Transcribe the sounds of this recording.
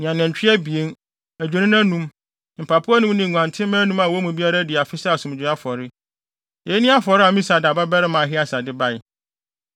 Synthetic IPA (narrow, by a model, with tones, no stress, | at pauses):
ñ˨ã˨nɛ̃˨ɲ˨t͡ɕᶣʰɪ˦ɛ˦bi˨e˦n | æ˨d͡ʑᶣu˨nɪ̃˦nã˦nũ˦m˨ | m̩˨pʰa˨pʰʊ˦a˦nũ˦m˦nɪ̃˨ŋ˨ɡʷã˨ntʰɪ̃˦mɛ̃ː˦nũ˦mã˨wɔ˨˦mũ˨bi˦a˦ɾa˦dɪ˨a˨fɪ˦sa˦a˨sũ˨m˨d͡ʑᶣɪ˨˦a˦fɔ˨ɾɪ˦ | je˨˦nĩ˦a˦fɔ˨ɾɪ˦a˨mĩ˦sa˨da˨ba˦bɛ˦ɾɪ˦mã˨ɦɪ˦a˦sa˨dɪ˦ba˦jɪ˨